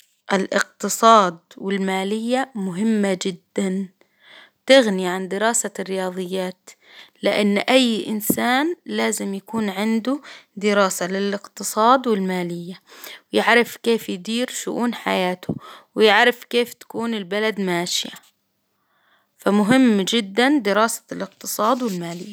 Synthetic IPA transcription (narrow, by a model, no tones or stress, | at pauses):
ʔɪlʔɪqt̪ɨsˤɑːd̪̚wɪlmaːlɪjːamʊɦɪmːad͡ʒɪd̪ːan | wt̪ɪɣniʕand̪ɪɾɑːsarːɪjɑːðˤɨjːaːt̪ | lɪʔanːʔajːʔɪ̰nsaːnlaːzɪmjakuːnʕɪnd̪ʊd̪ɪɾɑːsalɪlɪqt̪ɨsˤɑːd̪wɪlmaːlɪjːawjɪʕɾɪfkeːfjd̪iːɾʃʊ̰ʔuːnħa̰jaːt̪ʰʊwjɪʕɾɪfkeːft̪ḁkuːnɪlbalad̪maːʃɪja̰ | famʊɦɪmːd͡ʒɪd̪ːand̪ɪɾɑːsḁlɪqt̪ɨsˤɑːd̪wɪlmaːlɪjːa